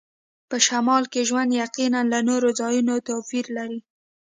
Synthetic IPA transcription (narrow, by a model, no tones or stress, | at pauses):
pəʃamɑlkeʒwand̪jaqinanlanoɾozɑjunot̪ofiɾlaɾi